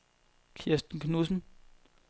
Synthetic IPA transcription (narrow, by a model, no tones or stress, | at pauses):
kʰesd̥n̩kʰnusn̩